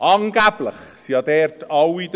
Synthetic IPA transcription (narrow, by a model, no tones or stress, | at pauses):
ʔɑŋɡæb̥ləχ | siɑd̪ɛɾtɑwid̪